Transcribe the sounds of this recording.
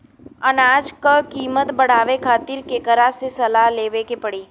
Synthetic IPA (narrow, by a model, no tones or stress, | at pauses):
ɐnaːd͡ʒkakiːmət̪bɐɽ̤aːʋekʰaːt̪ɪɾkekɐɾasesɐlaleːʋekepɐɽiː